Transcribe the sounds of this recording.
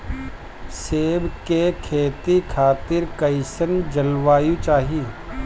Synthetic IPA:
seːbkekʰeːt̪ikʰaːt̪ɪɾkɐɪsənd͡ʒɐlʋaːjũt͡ʃaːɦi

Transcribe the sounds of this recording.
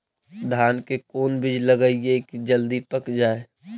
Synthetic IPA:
d̪ʱaːnkekoːnbɪd͡ʒləɡəiekid͡ʒəld̪ipəkd͡ʒaːe

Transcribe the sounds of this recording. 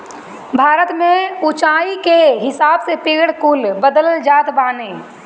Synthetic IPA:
bʱaːɾət̪mẽut͡ʃaːikeɦɪsaːbsepɪɡɽkuːlbəd̪əlld͡ʒaːt̪baːne

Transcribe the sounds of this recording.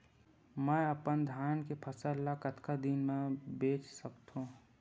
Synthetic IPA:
mɛəpənd̪ʱjaːnkepʰəsəlːakət̪kad̪inmẽbeːt͡ʃsəkt̪ɦũ

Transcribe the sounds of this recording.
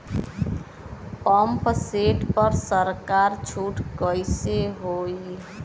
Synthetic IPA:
pəmpseʈpəɾsəɾkaɾt͡ʃʰuʈkəjseɦoi

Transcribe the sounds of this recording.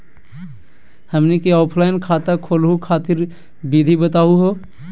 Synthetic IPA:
həmnikeɔːpʰlaːɪnkʰaːt̪akʰoːlɦukʰaːt̪ɪɾ | bid̪ʱibət̪aːuɦoː

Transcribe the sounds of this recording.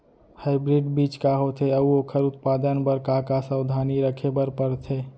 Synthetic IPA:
haːɪbɾiɖbiːt͡ʃkaɦot̪ʰeəuoːkʰəɾʊt̪paːd̪ənbəɾkakasəwd̪ʱaniɾəkʰebəɾpəɾt̪ʰe

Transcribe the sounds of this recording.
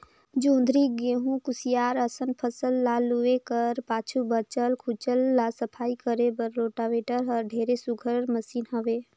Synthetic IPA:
d͡ʒõːnd̪ʱɾiɡeɦũkʊsijaːɾəsənpʰəsəlːaluekəɾpaːt͡ʃʰubət͡ʃəlkʰʊt͡ʃəlːasəpʰaːikəɾebəɾloːʈaʋeːʈəɾɦəɾɖʱeːɾesʊɡʱəɾɾməsiːnɦəʋeː

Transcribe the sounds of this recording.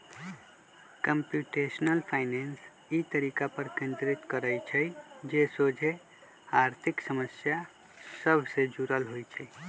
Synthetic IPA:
kəmpjuʈesnəlpʰaɪnens | it̪əɾikapəɾkẽnd̪ɾit̪kəɾəjt͡ʃʰəjd͡ʒesod͡ʒʱe | aɾt̪ʰiksəməsja | səbʱsed͡ʒuɾəlɦojt͡ʃʰɛ

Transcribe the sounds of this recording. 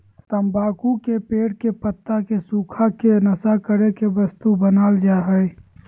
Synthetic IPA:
t̪əmbaːkukepeːɽkepət̪ːakesuːkʰakenəsakəɾekebəst̪ubənaːld͡ʒaːɦəj

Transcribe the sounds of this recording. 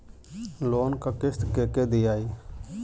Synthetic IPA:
loːnkakɪst̪keːked̪ijaːi

